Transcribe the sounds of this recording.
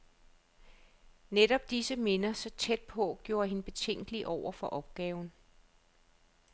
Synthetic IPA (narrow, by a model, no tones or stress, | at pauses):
neɾ̥ɒ̽b̥̚d̥isəme̝nɐsɒ̽t͡sʰed̥̚pʰɒ̽ɡ̥jo̝ːɐɦe̝nəb̥e̝t͡sʰeŋ̰ɡ̥əliʔɒʊ̰ɐfɒ̽ʔɒ̽b̥̚ɡ̥ɛːʊn